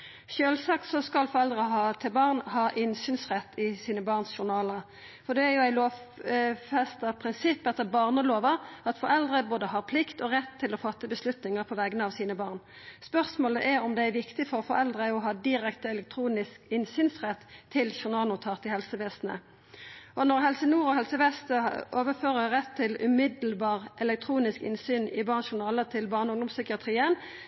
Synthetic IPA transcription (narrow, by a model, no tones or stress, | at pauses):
ʃøːlsɑːk̪sɔskɑlfɔʁɛld̪ʁəɦɑːt̪ʰɪlbɑʁnhɑːʔɪnsyːnsʁɛt̪ʰːɪsiːnəbɑːʁnsʃʊʁnɑːlə | fɔʁd̪ɛæɾjʊæɪloːʋ | fɛst̪əpʰʁɪnsɪpːɛt̪ːəbɑːʁnəloːʋəʁɑt̪fɔʁɛld̪ʁəboːd̪əhɑːʁpʰlɪkt̪ɔʁɛt̪ʰːɪlɔfɑt̪ːəbəslʉt̪nɪŋəʁpʰɔʋæːɡənəɑʋsiːnəbɑːʁn | spœʁsmoːləʔæɾɔmd̪ɛæɾʋɪkt̪ɪfɔʁɔfɔɾɛld̪ʁəɔɦɑːd̪ɪʁɛkt̪əɛlɛk̚t̪ʰʁuːnɪskɪnsyːnsʁɛt̪ʰːɪlʃʊʁnɑːlnʊt̪ʰɑːʁt̪ɪhɛlsəʋeːsnə̰ | ʔɔnɔʁɦɛlsənuːʁɔɦɛlsəʋeːsnəʔoːʋəføːʁəʁɛt̪ʰːɪlʉ̰mɪd̪lbɑːʁʔɛlɛk̚t̪ʰʁuːnɪskɪ̰nsyːnɪbɑːʁnʃʊʁnɑːlət̪ʰɪlbɑːʁnəɔʊŋd̪ʊmsʏkɪɑt̪ʰʁiːən